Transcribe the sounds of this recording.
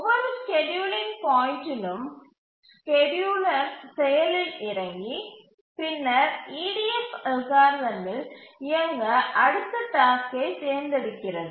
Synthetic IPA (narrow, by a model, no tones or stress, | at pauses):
ɔʋɐɾskɛɖjuːlɪnpaːjɪnʈɪlɯm | skɛɖjuːlɐɾsɛjɐlɪlɪɾɐŋɡi | pɪnːɐɾiːɽiɛfɐlɣaːɾðɐnɪlɪɐŋɡɐʔɐɽɯt̪ːɐʈ̪aːskɐɪseːɾnd̪ɪɽɯkːɪrɐðɯ